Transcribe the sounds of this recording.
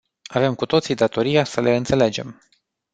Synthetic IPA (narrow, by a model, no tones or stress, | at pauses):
ave̞mkut̪o̞t̪sid̪at̪o̞ɾijasəlʔeɨnt̪sele̞d͡ʒe̞m